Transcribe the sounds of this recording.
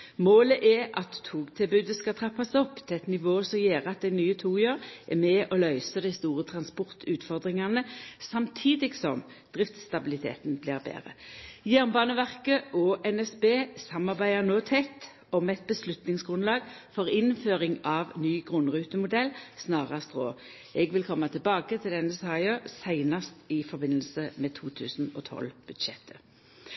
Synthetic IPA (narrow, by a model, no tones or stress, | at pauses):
moːləʔɛʔɑt̪ʰːuːɡt̪ʰɪbʉːd̪əskɑt̪ʰʁɑpːɑsɔpːt̪ʰɪɛt̪nɪʋoːsɔjeːʁəɑt̪̚d̪æɪnyːət̪ʰuːjøːʁʔɛmɛːʔɔlœʏsəd̪ɛɪst̪uːʁət̪ʰʁɑnspɔʁt̪ʰʉːt̪fɔʁd̪ʁɪŋɑnəsɑmt̪ʰiːd̪ɪɡsɔm | d̪̥ʁɪft̪st̪ɑbɪlɪt̪ʰḛːt̪n̩blḭːʁbḛːʁə̰jæʁnbɑːnəʋæʁkəɔːʔɛnɛsbeːsɑmɑʁbæɪəʁnoːt̪ʰɛt̪ | ɔmɛt̪̚bəslʉt̪nɪŋsɡʁʉnlɑːɡ | fɔʁɪnføːʁɪŋɑʋnyːɡʁʉnʁʉːt̪əmʊd̪ɛlːsnɑːʁɑst̪ʁoː | ɛɡʋɪlkʰɔmːɑt̪ʰɪlbɑːkət̪ʰɪld̪ɛnːəsɑːɪoːsæɪnɑst̪ɪfɔʁbɪnːəlsəmɛt̪ʰuːt̪ʰʉ̰ːsn̩ɔːt̪ʰɔ̰lb̥ʉd̪ʃɛt̪ʰːə̥